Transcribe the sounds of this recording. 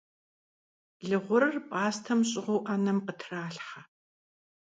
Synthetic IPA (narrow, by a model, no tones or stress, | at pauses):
ɮɨʁʷʊɾɐrpʼaːstʰɐmɕʼɪʁʷowʔɐnɐmqətʰraːɬħa